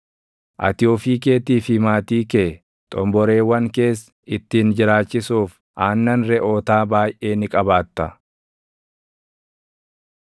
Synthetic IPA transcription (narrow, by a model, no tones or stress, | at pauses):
ʔɐ̰t̪ɪoːfiːk̬e̞ːt̪iːfɪmaːt̪iːkeː | t̪ʼɔmbɔɾe̞ːwɐŋke̞ːs | ɪt̪ːiːnd͡ʒɪɾaːt͡ʃːɪsuːf | ʔaːnːɐnɾɛʔoːt̪aːbaːjʔe̞ːnɪkʼɐbaːt̪ːɐ